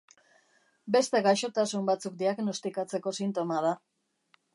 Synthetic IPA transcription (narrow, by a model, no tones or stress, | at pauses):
be̞st̪e̞ɣajʃo̞t̪asumbat͡suk̚d̪iaɣno̞st̪ikat͡se̞ko̞sint̪o̞mað̞a